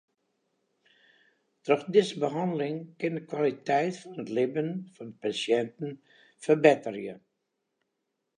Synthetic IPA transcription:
trɔxdɪzəbəɦɑndəlɪŋkɪndəkwalitɛjtfɔnətlɪbənfɔnəpasjɛntn̩ | fərbɪtərjə

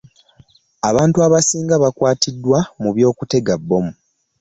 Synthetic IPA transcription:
aβaːntuaβasiːŋɡaβakwaːtʰidːwamuβjo̞ːkute̞ɡabːo̞mu

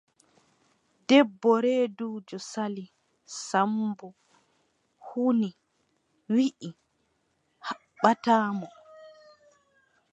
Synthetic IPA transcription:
dɛbːɔɾeːduːd͡ʒɔsali | sambu | huni | wiʔi | ha | ɓataːmɔ

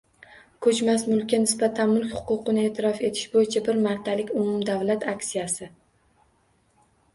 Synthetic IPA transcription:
kʰɵt͡ʃmasmʊlˠkʲːanɪsbat̪ʰanmʊlˠkʲhʊ̥qʊqɨnɪe̞ːt̪ʰɪɾɒfe̞t̪ʰɪ̥ʃbojɪt͡ʃʰabɪɾmaɾt̪ʰalɪkʲʊmʊmd̪avlat̪ʰakʲsijasɪ

